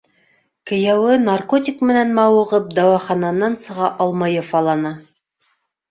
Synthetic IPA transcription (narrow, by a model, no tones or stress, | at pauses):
kɘ̆jæwɘnarkotʲikmɘ̆nænmɑwɤ̆ʁɤp̚d̪ɑwɑχɑnɑnɑnsɤ̆ʁɑʔɑlˠmɑjɑfɑlˠɑnɑ